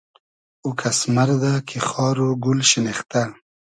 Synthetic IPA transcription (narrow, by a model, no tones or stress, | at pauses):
ukʰasmaɾd̪akʰexɑːɾoɡulʃɪnext̪a